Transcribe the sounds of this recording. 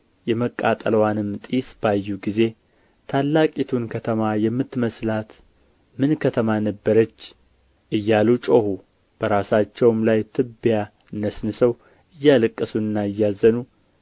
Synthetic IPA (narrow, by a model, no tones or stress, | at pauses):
jɛməkʼːat̪ʼəlwanɨmt̪ʼisb̥ajːuɡize̞ | t̪ʰalːakʼit̪ʰunkʰət̪ʰəmajɛmːɨt̪ːməslat̪ | mɨnkʰət̪ʰəmanəbːəɾət͡ʃː | ʔɨjːalut͡ʃʼohu | b̥əɾasat͡ʃːɛwmlajt̪ʰɨbja | ɨnːəsnɨsəw | ɨjːalɨkʼːəsunɨnːaɨjːazːənu